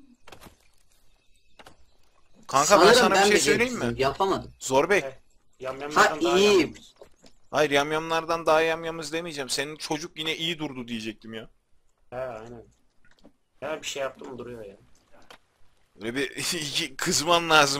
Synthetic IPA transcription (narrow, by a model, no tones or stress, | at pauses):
kʰaŋkʰabæsanabʃejsø̞jlʲe̞jimːɪjapʰamad̪ɯmzoɾbɛc | jamjamˠaaniji | hajɯɾjamjamlˠaɾd̪and̪aɦajamjamɯzd̪emijd͡ʒæːmsenint͡ʃʰo̞d͡ʒuk̚jinɛʔijid̪uɾd̪ud̪ije̞d͡ʒɛc̚t̪ʰimjaː | hɛajnæn | ɛæɾbiʃejjap̚t̪ʰɯmd̪uɾujojaː | bølʲɛbiicʰikʰɯzmanlˠaːzɯ